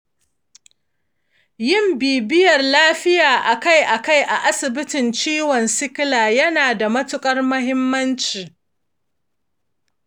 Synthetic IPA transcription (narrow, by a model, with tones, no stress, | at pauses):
jɪ˦˨mbiː˨bɪ˦jɐ˨rlaː˦ɸɪ˦jaː˨ʔa˨ka˦jʔa˨ka˦˨jʔa˨ʔa˦sɪ˨bɪ˦tɪ˨nt͡ʃiː˦wɔ˨nsɪ˦klaː˨jɐ˦naː˨da˨mɐ˦tʊ˦kʼɐ˦rmɐ˦hɪ˦mːɐ˦nt͡ʃiː˨